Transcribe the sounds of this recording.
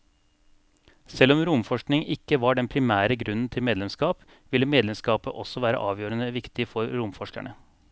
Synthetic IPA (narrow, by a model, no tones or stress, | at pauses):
sɛlɔmɾʊmfɔʂknɪŋɪkːəʋɑɖɛnpʰɾɪmæːɾəɡɾʉnn̩t̪ʰɪlmeːd̪lɛmskɑːp | ʋɪlːəmeːd̪lɛmskɑːpəʔɔsːɔʋæːɾə̰ʔɑːʋjøːɾənəʋɪkt̪ɪfɔɾɾʊmfɔʂkæ̰ɳə